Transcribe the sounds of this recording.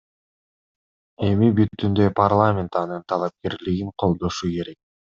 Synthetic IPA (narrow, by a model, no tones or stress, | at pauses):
e̞mibyt̪ːynd̪ø̞parlˠamʲe̞nt̪ɑnɯnt̪ʰɑlˠɑp̚ke̞ɾliɡiŋqʰo̞lˠd̪o̞ʃuke̞ɾe̞k̚